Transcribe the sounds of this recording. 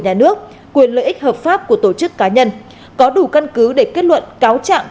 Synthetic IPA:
ɲaː˨˩nɨ˦˥ək̚ | kwi˨˩ənlə̰ː˧˨ʔï˦˥k̟̚həː˨˩p̚faː˦˥p̚ku˧˩ət̪o˧˩t͡ɕɨ˦˥kːaː˨˦ɲə˧n | kɔ˨˦ɗu˧˩ka˧nkɨ˨˦ɗe˧˩ke˦˥t̚lwə̰˧˨nkaː˨˦wt͡ɕa̰ː˧˨m

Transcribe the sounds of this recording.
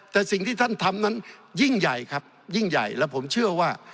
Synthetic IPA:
t̪ɛː˨˩si˨˩ŋt̪ʰiː˥˩t̪ʰa˥˩nt̪ʰa˧mna˦˥nji˥˩ŋja˨˩jkʰa˦˥p̚ji˥˩ŋja̰˨˩jlɛː˦˥wpʰo˩˦mt͡ɕʰɯ˥˩ɐwaː˥˩

